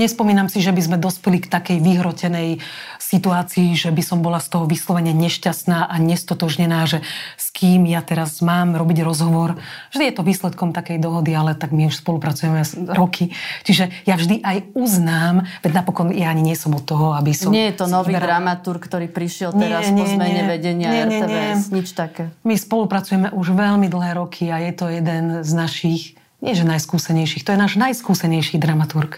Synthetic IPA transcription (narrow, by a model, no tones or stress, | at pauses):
ɲɛspɔmiːnamsiʒɛbizmɛd̪ɔspɛlikt̪akɛjʋiɦɾɔcɛnɛjsit̪uaːt͡siːʒɛbisɔmbɔlast̪ɔɦɔʋislɔʋɛɲɪɛɲɛʃcast̪naːʔaɲɛst̪ɔt̪ɔʒɲɛnaːʒɛskʰiːmjat̪ɛɾazmaːmɾɔbiɟɾɔzɦɔʋɔɾvʒd̪ijɛt̪ɔʋiːslɛt̪kɔmt̪akɛjd̪ɔɦɔd̪ialɛt̪aɡmiuʃspɔlupɾat͡sujɛmɛɾɔkʰit͡ʃiʒɛjavʒd̪iʔajuznaːmʋɛnapɔkɔnjaːɲiɲɪɛsɔmɔt̪ːɔɦɔabisɔmɲɪɛjɛt̪ɔnɔʋibɛɾɾamat̪uɾkːt̪ɔɾiːpɾiʃɪɛlɲɛɾaɲɔɛmɛɲɛʋɛɟɛɲɪaɲɛɛɲɛɛɲɛɛsɲit͡ʃt̪akɛːmispɔlupɾat͡sujɛmɛʔuʒʋɛlmid̪l̩ɦɛːɾɔkʰiajɛt̪ɔjɛd̪ɛnznaʃix | ɲɪɛʒɛnajskuːsɛɲɛjʃixt̪ɔjɛnaːʒnajskuːsɛɲɛjʃid̪ɾamat̪uɾk